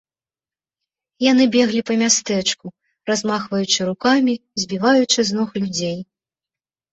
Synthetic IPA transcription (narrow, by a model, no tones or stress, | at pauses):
jan̪ɨbʲɛɣlʲipɐmʲast̪ɛt͡ʂku | razmaxvɐjut͡ʂɨɾukamʲizʲbʲivajut͡ʂɨznɔxlʲud͡zʲej